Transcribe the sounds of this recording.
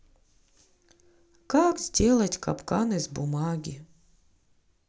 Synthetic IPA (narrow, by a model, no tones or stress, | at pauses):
kakzʲdʲelˠɐtʲka̰pkanɨzʲbʊmaɡʲɪ